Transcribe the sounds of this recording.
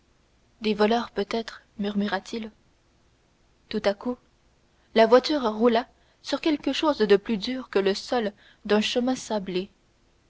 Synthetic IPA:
d̪evɔlœːʁpøt̪ɛt̪χ | myʁmyʁat̪ʰil | t̪ut̪aku | lavwat̪yːʁʁula | syʁkʲɛlkəʃoːzd̪əplyd̪yːʁkələsɔl | d̪ɛ̃ʃəmɛ̃sable

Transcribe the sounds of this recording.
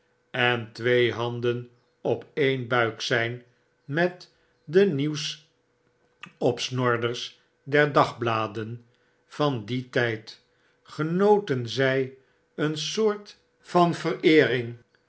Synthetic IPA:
ɛntʋejɦɑndən | ɔpejnbœɥksɛjn | mɛt | dəniws | ɔpsnɔɹdəɹs | dɛɹdɑχblaːdən | v̥ɑnditɛjt | χənowtənzɛj | ənsʊːɹt | fɑnvərɪːrɪŋ

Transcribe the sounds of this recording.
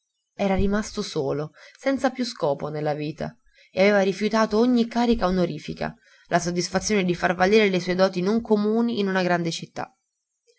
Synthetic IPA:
ɛːɾaɾimast̪osoːlosɛnt̪sapjuskɔːponelːaviːt̪ʰa̰ | eaveːvaɾifjut̪aːt̪ooɲːikːaːɾikaonoɾiːfika̰ | lʔasod̪ːisfat̪sːjoːned̪ifarvaliːɾelesɔjd̪ɔːt̪inoŋkomuːniːnunaɡɾand̪et͡ʃit̪ːa̰

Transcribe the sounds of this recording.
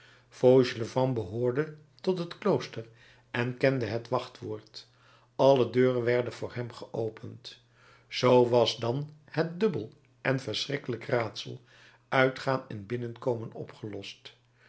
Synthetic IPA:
fowʒələvɑmbəɦoːɹdə | tɔtɦətklowstər | ʔɛnkɛndəɦətʋɑχtʋʊːɹt | ɑlədøːrənʋɛɹdənvʊːɹɦɛmχəʔowpʰənt | z̥owʋɑzdɑnhət̚dɵbəlˠ | ʔɛnvəɹsrɪkələkraːtsə̰lˠ | ʔœɥtχaːnɛnbɪnənkowmənɔ̰pχəlɔst

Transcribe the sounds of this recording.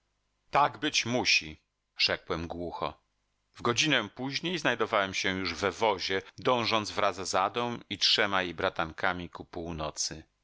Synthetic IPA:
t̪aɡbɘt͡ɕmuɕi | ʐ̥ɛkwɛmɡwuxɔ̰ | vɡɔd͡ʑinɛpuʑɲejznajd̪ɔvawɛmɕɛ̃juʐvɛvɔʑɛd̪ɔ̃w̃ʐɔnd̪zvɾʔazzad̪ɔ̃w̃itʂɛmajejbɾat̪aŋkamʲikupuwnɔt̪sɘ

